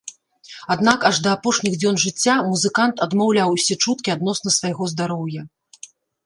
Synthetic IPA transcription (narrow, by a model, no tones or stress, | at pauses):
ad̪nakaʐd̪ɐːpɔʂnʲiɣd͡zʲɔnʐɨt͡sʲːamuzɨkant̪ɐd̪mawlʲawsʲɛt͡ʂut̪̚kʲiad̪nɔsnɐsvajɣɔzd̪aɾɔwjɐ